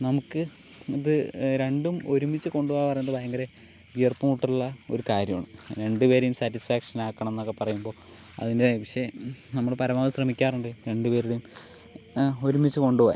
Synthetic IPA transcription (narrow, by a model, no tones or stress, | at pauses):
nɐmukːɨ | iðɨɾe̞ɳɖumo̞ɾumit͡ɕːɨko̞ɳɖuʋaːjpɐrɐjnɐðɐbajɐŋɡɐle | ujɐrpːumuːʈːiuɭːɐoɾukaːɾjɐma̰ːɳɨ̰mɾe̞ɳɖɨpe̞ːɾejumsaːtːisfaːkʂɐnaːkːɐɳɐme̞nːokːe̞pɐrɐjumbo̞ː | ɐ̰ðindeaːjipɐʂenɐmːɐɭpɐɾɐmaːðɐɕrɐmikʲːaːruɳɖɨɾe̞ɳɖupe̞ːɾejum | o̞ɾumit͡ɕːɨko̞ɳɖuʋa̰ːj̰